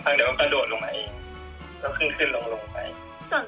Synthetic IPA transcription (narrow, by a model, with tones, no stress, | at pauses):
pʰaː˧˩ŋda˧˩ma˧˩ka˧˩doː˨˩t̪̚lo˧ŋma̰˧˦ʔːŋ | ka˧˩kʰɯ˥˨nkʰɯ˧˥˩nlo˧ŋlo˧ŋpa̰˧j